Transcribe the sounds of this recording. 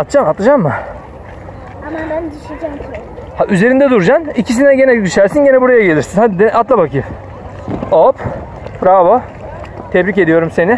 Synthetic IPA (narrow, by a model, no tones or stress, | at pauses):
at̪t͡ʃamat̪ɯd͡ʒamːɯ | amabænd̪iʃid͡ʒamʰ | haʔyze̞ɾind̪ɛd̪uɾd͡ʒanicʰis̬inɛɟenɛd̪yʃæɾsinɟenɛbuɾajaɟe̞lʲiɾsinhad̪id̪at̪lˠabakʰɯ | op | pɾavo | t̪ʰɛbɾic̬e̞d̪ijo̞ɾumse̞ni